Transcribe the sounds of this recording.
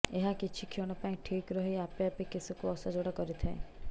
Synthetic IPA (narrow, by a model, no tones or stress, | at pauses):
eɦakit͡ʃʰikʰiɔɽ̃ɔpaĩʈʰikɾɔɦiapeapekisukuɔsad͡ʒoɽakɔɾit̪ʰaḛ